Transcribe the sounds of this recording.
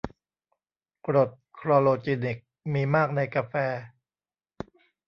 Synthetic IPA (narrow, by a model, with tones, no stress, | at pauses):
pɾo˨˩t̪̚kʰɾɔː˧loː˧t͡ɕi˧ni˨˩k̚miː˧maː˥˩k̚na˧jkaː˧fɛː˧